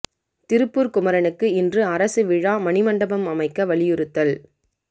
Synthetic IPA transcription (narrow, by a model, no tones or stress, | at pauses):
t̪ɪɾɯpːuːɾkʊmɐɾɐnɯkːɯɪndrɯɐɾɐsɯʋɪɻaːmɐnɪmɐɳɖɐbɐmɐmɐɪkːɐʋɐɭɪjɯɾɯt̪ːɐl